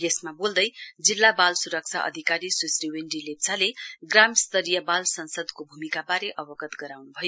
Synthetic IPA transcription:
jesmabold̪ʌjd͡zilːabalsuɾʌk̚t͡sʰa̰ʔʌ̰d̪ʱikaɾiswisriwenɖilep̚t͡sʰaleɡramst̪ʌɾijʌbalsʌnsʌd̪kobʱumikabaɾeʔʌbʌɡʌt̪ɡʌɾawnubʱʌjo

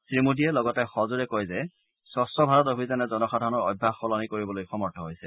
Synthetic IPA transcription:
sɹimudiɛlɔɡɔtɛxɔzuɹɛkɔjzɛ | sɔsɔbʱaɹɔtobʱizanɛzɔnɔxadʱaɹɔnɔɹɔ̰bʱːaxɔlɔnikoɹibɔlojxɔmɔɹtʰɔɦojsɛ

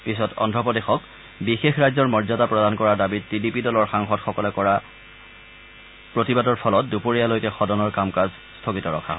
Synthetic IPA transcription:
pisɔtɔ̰ndʱɔpɔdexɔk | bixexɹajzɔɹmɔɹzatapɹɔdankɔɹaɹdabittidipidɔlɔɹxaŋxɔtxɔkɔlɛkɔɹa | pɹotibadɔɹpʰɔlɔt̚dupoɹijalojkɛxɔdɔnɔɹkamkaz | stʰokitɔɹɔ̰kʰaɦɔ

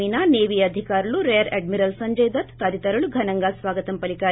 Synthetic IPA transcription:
iːnaneːʋijɐd̪ʱikaːɾɐɭuɾejɐɾeɖmiɾɐlsɐɲd͡ʒɐjd̪ɐt̪t̪aːd̪it̪ɐɾɐɭuɡʱɐnɐŋɡaːsʋaːɡɐt̪ɐmpɐlikaː

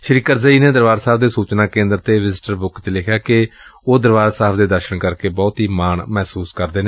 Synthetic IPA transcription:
ʃɾikəɾzəiːneːd̪əɾʋaːɾsaːp̚d̪eːsuːt͡ʃnãːkẽːnd̪əɾt̪eːʋɪzɪʈəɾbʊkt͡ʃlɪkʰjaːkɪoːd̪əɾʋaːsaːpʰd̪eːd̪əʃəɳkəɾkeːbɔːt̪ɦiːmaːɳmɛːsuːskəɾd̪eːneː

